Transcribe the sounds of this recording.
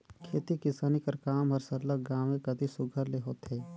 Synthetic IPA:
kʰeːt̪ikɪsaːnikəɾkaːmɔɾsəɾləɡaːʋẽkɐd̪ʱisʊɡʱəɾleɦoːt̪ɦɛː

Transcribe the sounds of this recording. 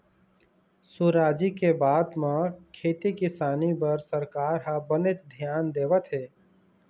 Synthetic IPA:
suɾaːd͡ʒikebaːd̪mãkʰeːt̪ikɪsaːnibəɾsəɾkaːɾɦabənet͡ʃd̪ʱjaːnd̪eːʋət̪ɦeː

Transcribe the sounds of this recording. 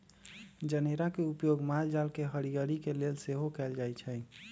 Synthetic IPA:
d͡ʒəneɾakeupjoɡmald͡ʒalkeɦəɾiɡəɾikelelseɦokɛld͡ʒajt͡ʃʰɛ

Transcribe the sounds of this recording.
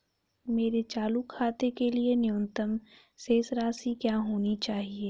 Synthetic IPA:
meːɾet͡ʃaːlukʰaːt̪ekelienɪʊnt̪əm | seːsɾaːsikjaːɦoːnit͡ʃaːɦieː

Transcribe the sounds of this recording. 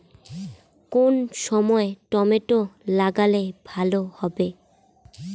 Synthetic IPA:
konʃɔmɔeʈɔmeʈolaɡalebʱalohɔbe

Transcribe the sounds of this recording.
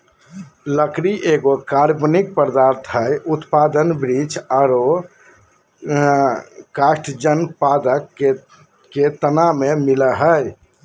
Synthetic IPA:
ləkɾiʔeɡokaɾbnik̚pəɾd̪aɾt̪ʰɦəjut̪pad̪ənbɾid͡ʒaɾo | kaʃʈd͡ʒənpad̪əkːe | kːet̪ənamemiləɦəj

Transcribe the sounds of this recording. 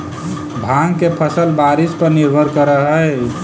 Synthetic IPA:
bʱaŋɡkepʰəsəlbaɾispəɾniɾbʱəɾkəɾəɦəj

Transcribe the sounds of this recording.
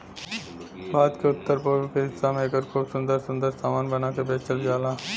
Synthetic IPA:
baːd̪keʊt̪ːəɾpoːokeɦɪsːamẽɐɡəɾkʰuːbsʊ̃nd̪əɾsʊ̃nd̪əɾsaːmaːnbɐnakebeːt͡ʃəld͡ʒaːlaː

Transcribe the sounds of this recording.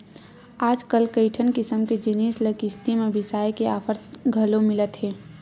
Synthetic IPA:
aːd͡ʒkəlkəɪʈʰənkɪsəmked͡ʒiniːsləkɪst̪imebɪsaːjkeaːpʰəɾt̪ɡʱəlomɪlət̪ɦeː

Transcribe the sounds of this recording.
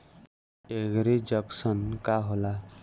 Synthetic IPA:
eɡɾed͡ʒʌksənkaɦola

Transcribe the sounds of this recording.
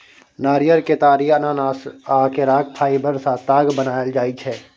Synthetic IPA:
naːɾijəɾket̪aːɾiːɐnaːnaːsaːkeɾaːkʰpʰaːibəɾsat̪aːɡbənaːjəld͡ʒaːit͡ʃʰɛː

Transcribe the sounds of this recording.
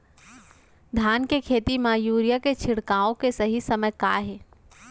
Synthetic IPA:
d̪ʱaːnkekʰeːt̪imajuːɾijaket͡ʃʰɪɽkaːõkesɐɦisɐməjkaːɦɛː

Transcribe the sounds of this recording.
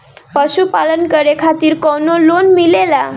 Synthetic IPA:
pəɕupalənkəɾekʰat̪iːɾkonolonmilela

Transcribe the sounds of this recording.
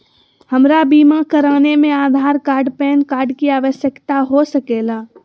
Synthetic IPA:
həmɾabiːmakəɾaːnemẽaːd̪ʱaːɾkaːɾɖpɛːnkaːɾɖkiaːʋəʃjəkt̪aɦosəkeːla

